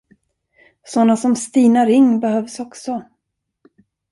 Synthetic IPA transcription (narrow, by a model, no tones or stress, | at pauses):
sɔnːasɔmst̪iːnaɾɪŋːbɛhœvsɔksɔ